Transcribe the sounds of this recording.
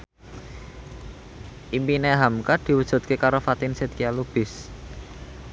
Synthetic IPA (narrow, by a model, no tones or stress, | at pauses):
ʔimpineɦamkad̪̥i̤wəd̥ʒ̥ṳt̪̚kekaɾofat̪inset̪̚kialub̥ɪ̤s